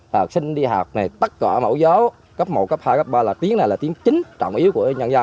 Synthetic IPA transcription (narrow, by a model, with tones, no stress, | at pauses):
la˨˩k̚sï˧ŋ̟ɗi˧ɦaː˨˩k͡p̚na˨˩jt̪ə˦˥t̚kaː˧˩mo̰˧˩˦zə˨˦w | kə˦˥p̚mo̰˨˩kə˦˥p̚haː˧jkə˦˥p̚ɓaː˧laː˨˩t̪i˨˦əŋna˨˩jlaː˨˩i˨˦əŋt͡ɕi˨˦ŋt͡ɕɔ̰˧˨ŋ͡mʔi˨˦əwku˧˩əɲa˧nza˧